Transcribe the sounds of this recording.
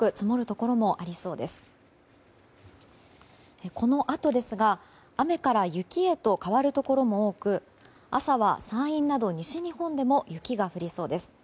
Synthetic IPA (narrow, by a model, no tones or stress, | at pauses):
kɯ̟t͡sɨmoɾɯ̟t̪o̞ko̞ɾo̞mo̞ʔaɾʲiso̞ːd̪e̞sɨ̥ | eko̞no̞ʔat̪o̞d̪e̞sɨɡa | ame̞kaɾajɯ̟kʲie̞t̪o̞kaβaɾɯ̟t̪o̞ko̞ɾo̞mo̞oːkɯ̟ | a̰saβa̰sãɰ̃ĩnːad̪o̞ɲ̟iɕiɲ̟ihõ̞nd̪e̞mo̞jɯ̟kʲiɡaɸɯ̟ɾʲiso̞ːd̪e̞sɨ̥